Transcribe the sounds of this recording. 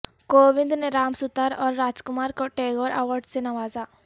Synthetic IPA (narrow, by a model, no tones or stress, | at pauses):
koːʋɪ̃nd̪neɾaːmsʊt̪əɾɔːɾːaːd͡ʒkʊmaːɾkoʈeːɡoːɾʔəʋəɾɖsenɐʋaːza